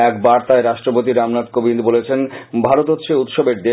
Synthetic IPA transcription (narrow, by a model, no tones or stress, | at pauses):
ɛkbaɾt̪aeɾaʃʈɾopot̪̬iɾamnat̪̚kobind̪bolet͡ɕʰenbʱaɾot̪ot̪ʃeut̪ʃobeɾd̪e